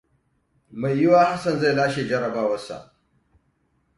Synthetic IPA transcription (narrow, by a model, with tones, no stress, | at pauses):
ma˨jjɪ˦waː˦ha˦sɐ˨nza˦jlaː˦ʃeː˨d͡ʒɐ˦ɽɐ˨baː˦wɐ˦sa̰˨ʔ